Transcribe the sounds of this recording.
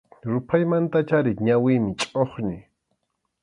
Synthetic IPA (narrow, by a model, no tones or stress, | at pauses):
ɾʊpʰajmant̪at͡ʃaɾɪɲawɪmɪt͡ʃʼoχɲɪ